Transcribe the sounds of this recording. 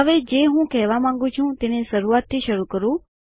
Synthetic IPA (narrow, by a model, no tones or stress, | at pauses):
əʋed͡ʒeɦũkɛɦʋamãŋ̆ɡũt͡ʃʰũt̪eneʃəɾuat̪ʰːiʃəɾukəɾũ